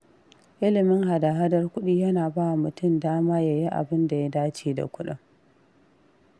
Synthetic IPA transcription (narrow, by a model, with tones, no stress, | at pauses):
ʔɪ˦lɪ˨mɪ˦ŋha˨da˨ɦa˦dɐ˦rkʷʊ˦ɗiː˦jɐ˦naː˨baː˦wa˨mʊ˨tʊ˦˨mdaː˦maː˦jaː˨ji˦ʔa̰˨bɪ˦nda˨ja˦daː˦t͡ʃeː˨da̰˨kʷʊ˦ɗʊ̰˦ŋ